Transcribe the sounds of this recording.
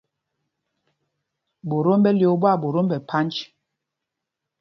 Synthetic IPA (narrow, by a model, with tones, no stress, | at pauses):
bo˨ɾo˦mbɛ˦ljo˨˦bwa˦˨bo˨ɾo˦mbɛ˨pʰa˦nt͡ʃ